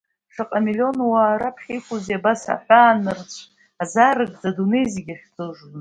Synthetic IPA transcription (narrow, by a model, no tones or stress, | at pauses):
ʂɨqʼamilio̞nwaːɾapʰχʲijkʷuziabasa̰ħʷᶣaːnɨrt͡ɕʷʰ | azaɾɨɡ̚ʼd͡zadune̞jziɡʲaχʲt͡sʰʼɨʐ